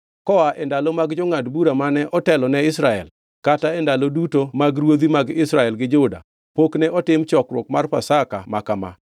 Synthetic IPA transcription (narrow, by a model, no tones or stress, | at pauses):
kɔaʔɛndalɔmaɡd͡ʒoŋadbuɾamanɛʔɔtɛlɔnɛɪsɾaɛ̰l | kataɛndalodutomaɡɾwod̪imaɡɪsɾaɛlɡɪd͡ʒʊda̰ | poknɛʔɔtɪmt͡ʃɔkɾwokmarpasaka̰makama̰